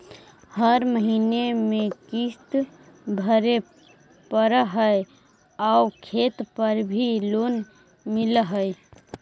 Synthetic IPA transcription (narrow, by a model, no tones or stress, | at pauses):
həɾməɦinemekist̪ | bʱəɾe | pəɾəɦəj | aukʰet̪pəɾbʱilon | miləɦəj